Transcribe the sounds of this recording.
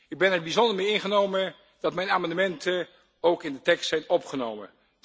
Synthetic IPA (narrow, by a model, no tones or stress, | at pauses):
ɪɡ̚bɛnɛɹbizɔndəɹmejɪnχənowmə | d̥ɑtmɛjnaːmɑndəmɛntʰə | owkɪndətɛkstsɛjnɔpχənowmə̰